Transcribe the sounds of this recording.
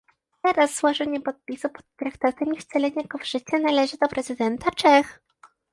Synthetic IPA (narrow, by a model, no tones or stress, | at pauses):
t̪ɛɾasːwɔʐɘɲɛpɔt̪̚pʲisupɔ̥t̪ːɾakt̪at̪ɛmʲift̪sɛlɛɲaɡɔvʐ̥ɘt͡ɕɛnalɛʐɘd̪ɔpɾɛzɘd̪ɛnt̪at͡ʂɛx